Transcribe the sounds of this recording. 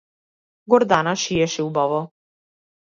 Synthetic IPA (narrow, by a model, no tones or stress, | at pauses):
ɡɔɾd̪anaʃijɛʃɛubavɔ